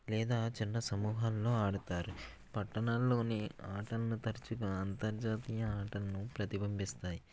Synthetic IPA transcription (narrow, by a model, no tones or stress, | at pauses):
lɛːd̪aːt͡ʃinːɐsɐmuːɦaːlːo̞ːaːɽut̪aːɾu | pɐʈːɐɳaːlːo̞ːneaːʈɐlɐnut̪ɐɾt͡ʃuɡaːnt̪ɐɾd͡ʒaːt̪iːjɐaːʈɐlɐnupɾɐt̪ibɐmbist̪aːji